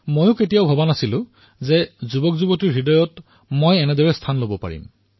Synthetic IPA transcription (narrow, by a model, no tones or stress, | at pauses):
mojʊketijaʊbʱɔbanasilʊ̃ | zɛzubɔkzubɔtiɹɦidɔjɔt | mojɛnɛdɔɹɛstʰanlobɔpa̰ɹḭm